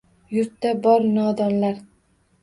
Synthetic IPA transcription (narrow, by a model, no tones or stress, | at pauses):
jʊɾt̪ːabɒɾnɒd̪ɒnlaɾ